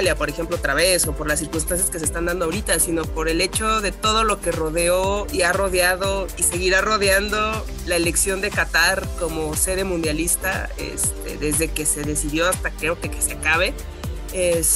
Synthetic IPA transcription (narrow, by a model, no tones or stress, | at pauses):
ljapo̞ɾe̞xe̞mploot̪ɾaβe̞so̞po̞ɾlasiɾkunst̪ansjaske̞s̬es̬t̪and̪and̪oawɾit̪asino̞po̞ɾe̞le̞t͡ʃo̞ðe̞t̪o̞ð̞o̞lo̞ke̞ro̞ðeo̞iaro̞ðjað̞o̞ise̞ɣiɾaro̞ðjand̪o̞ | laele̞ksjo̞nd̪e̞kat̪aɾko̞mo̞se̞ðe̞mũnd̪jalist̪a̰ḛst̪e̞̰ðe̞zðe̞ke̞se̞ðe̞siðjo̞ast̪akɾe̞okeke̥seakaβe̞ | es